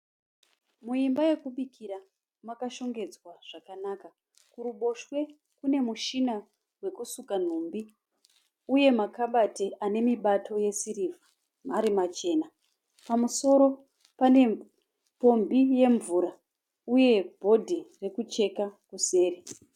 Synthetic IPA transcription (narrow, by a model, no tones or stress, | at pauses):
muimbaje̞kuɓikʰiɾa | makaʃo̞ŋɡe̞d͡zwaʐ̥akanaːka | kuɾuɓo̞ʃwe̞ | kune̞muʃina | we̞kusukan̤umbi | uje̞makaɓateʔane̞miɓatʰo̞je̞siɾiva | maɾimat͡ʃe̞ːna | pamuso̞ɾo̞ | pane̞ | po̞mbije̞ɱvuɾa | uje̞bʱo̞dʱire̞kut͡ʃe̞kakuse̞ːre